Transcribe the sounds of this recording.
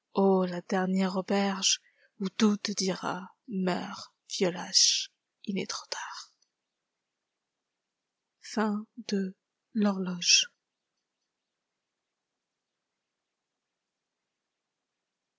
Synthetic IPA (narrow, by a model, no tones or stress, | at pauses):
olad̪ɛʁnjɛʁobɛʁʒ | ut̪ut̪əd̪iʁa̰ | mœ̰ʁ | vjɔlaʃ | ilɛ̰t̪χɔ̥t̪ʰaʁ | fɛ̃d̪ə | lɔʁlɔʒ